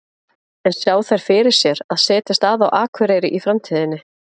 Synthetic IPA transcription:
ɛnsjaːwθajɾ̥fɪɾɪɾ̥sjɛɾaðsɛːt̪ɪst̪aðawʔaːkʰvɛɾeːjɾɪʔifɾamt̪ʰiːðɪnːɪ

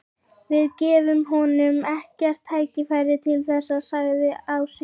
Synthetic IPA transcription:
vɪðcɛːvʏmɦɔnʏmɛhcɛr̥t̪ʰːaːjcɪfajɾɪt̪ʰɪlθɛsːaðsaɣðɪaws

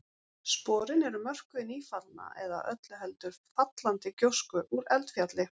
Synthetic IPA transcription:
spɔːɾɪnɛɾʏmœr̥kʏɪniːfalna̰ɛ̰ða̰ʔœt̪lʏɦɛl̪t̪ʏɾ̥fat̪lant̪ɪcowskʏʔuɾɛlt̪fjat̪lɪ

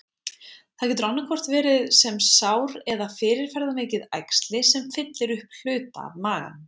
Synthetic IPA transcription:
θaðc̬ɛt̪ɾawnːakʰvɔr̥t̪vɛːɾɪðsɛmsawɾɛðafɪːɾɪɾ̥fɛjɾðameːcɪðajkst̪lɪsɛmfɪt̪lɪɾʏhpl̥ʏːt̪a̰ːvmaːɣa̰n

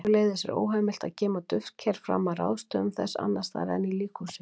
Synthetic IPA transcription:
leːjðɪsɛ̰ɾo̰ːwɦamɪl̥t̪a̰ðcɛːmat̪ʏfcʰɛɾ̥fɾa̰mara̰wðst̪œʏmθɛ̰sːa̰nːast̪a̰ɾɛ̰nːiliːkʰusɪ

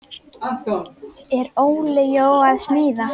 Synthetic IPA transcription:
ɛɾoːwlɪjoːwaðsmiːða

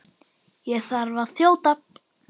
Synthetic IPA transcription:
jɛθaɾvaðθjoːwt̪ap̚

